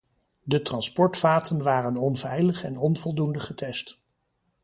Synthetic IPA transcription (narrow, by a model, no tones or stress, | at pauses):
dətrɑnspɔɹtfaːtʰənʋaːrənɔnvɛjləχɛnɔnvɔlˠdundəχətɛst